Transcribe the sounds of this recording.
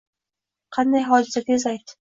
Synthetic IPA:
qʰɑnd̪ajɦɒd͡ʒ̪ɪsat̪ʲezajt̪

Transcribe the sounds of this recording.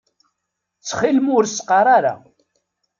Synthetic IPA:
t͡sːχilmʊɾsqɑɾˤaɾa̰

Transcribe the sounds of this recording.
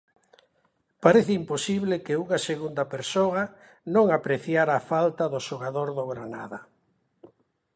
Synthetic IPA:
paɾeθɪimposiβlɪkɪuŋaseɣund̪ɐpeɾsoa | nõŋapɾeθjaɾaːfalt̪ɐðʊʃoɣ̞aðoɾðoɣɾana̰ðɐ

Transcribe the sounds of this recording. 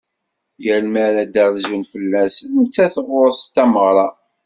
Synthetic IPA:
jəɾməɾæd̪æɾzunfəlːæsənʊt͡sːæθəʁʊɾst̪ːæməʁɾˤɑ

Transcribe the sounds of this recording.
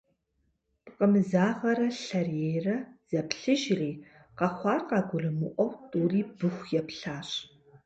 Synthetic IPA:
pqʼəmɨzaːʁɐɾɐɬɐrjejrɐz̥ɐpɬɨʒriː | qɐχʷɑːrqɑːɡʷʊrɨmɨʔʷɔwtʼuriːbɨxʷjɛpɬaːɕ

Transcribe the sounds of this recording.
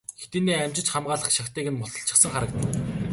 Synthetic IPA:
xet̪eːniːæm̥ʲt͡ɕɪ̆t͡ɕχamɢaːɮə̆χʃakt̪eːɣɘ̆nmɔɮɞ̆ɬt͡ɕɪ̆sə̆ŋχaɾə̆kt̪ə̆

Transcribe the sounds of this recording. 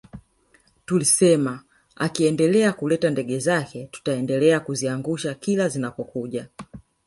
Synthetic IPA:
tulisɛma | a̰kiɛndɛlɛakulɛtandɛɡɛzakɛtu̥taɛndɛlɛakuziaŋɡuʃakilazinapɔkuʄa

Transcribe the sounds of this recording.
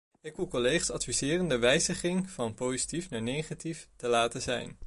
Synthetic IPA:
ɪkʋulˠkolejχasɑtfizɪːrəndəʋɛjzəχɪŋvɑnpowsi̥tifnaːɹnejχatiftəlaːtəzɛ̰jn

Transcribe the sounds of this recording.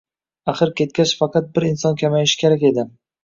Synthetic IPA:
aχɨɾkʲʰe̞t̪̚kʲat͡ʃfɑqɑt̪̚bɪɾɪnsɒnkʲʰamajɪʃkʲe̞ɾakʲe̞d̪ɪ

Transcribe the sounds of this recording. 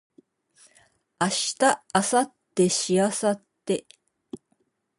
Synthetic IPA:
aɕi̥t̪aːsat̪ːe̞ɕiasat̪ːe̞

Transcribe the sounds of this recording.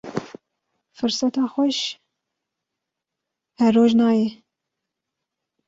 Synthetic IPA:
fɨɾsɑt̪ɑːxʷɛʃ | hɛrːoːʒnɑːje

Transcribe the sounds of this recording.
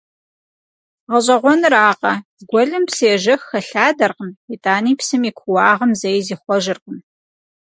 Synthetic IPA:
ʁɐɕʼɐʁʷɔnɨraːqɐ | ɡʷɔɮɨmpsijɛʒɐxːɐɬaːdɐrqəmitʼaːniːpsɨmiːkʷʰʊwɑːʁəmzɐjziːχʷɔʒɨrqəm

